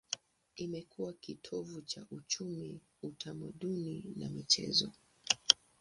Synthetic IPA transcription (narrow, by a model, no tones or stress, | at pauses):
imɛkʰuwakitʰɔvut͡ʃaʔut͡ʃumi | utʰamaɗunina̰mit͡ʃɛ̰zɔ